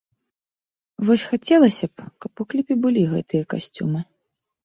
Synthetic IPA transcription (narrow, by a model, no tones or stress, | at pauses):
vɔsʲxat͡sʲɛlˠɐsʲɐpkɐpuklʲipʲibɨlʲiɣɛt̪ɨjɐkasʲt͡sʲṵmɨ